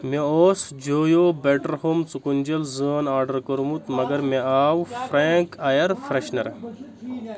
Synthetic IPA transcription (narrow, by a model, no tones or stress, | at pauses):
meoːsd͡ʒoːjoːbeʈɐɾhomt͡sukunʲd͡ʒɐlzəːnaːɾɖɐɾkəɾmut̪mɐɡɐɾmeaːwfɾeːŋkɐjɐɾfɾeʃnɐɾ